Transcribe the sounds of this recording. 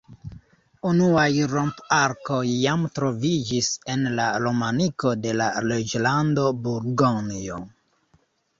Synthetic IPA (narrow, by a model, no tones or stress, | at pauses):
unuajɾompaɾko̞jːamtɾo̞vid͡ʒise̞nlaɾo̞maniko̞de̞la̰led͡ʒlando̞buɾɡonio̰